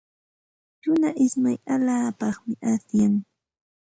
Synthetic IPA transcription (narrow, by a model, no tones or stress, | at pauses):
t͡ʃʊnaʔɪsmajaʎaːpɑχmɪʔasjaŋ